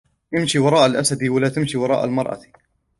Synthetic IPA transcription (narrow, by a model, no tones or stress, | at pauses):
ʔɪmʃiwɑɾˤɑːʔalʔasad̪iwalaːt̪amʃiwɑɾˤɑ̰ːʔa̰lmɑɾˤʔɑ̰